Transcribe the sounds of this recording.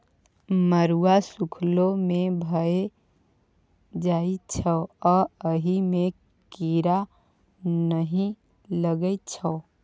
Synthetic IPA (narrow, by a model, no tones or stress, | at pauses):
məɾuwasukʰlomebʱəe | d͡ʒait͡ʃʰəɔəɦime | kiɾa | nəɦĩ | ləɡəjt͡ʃʰə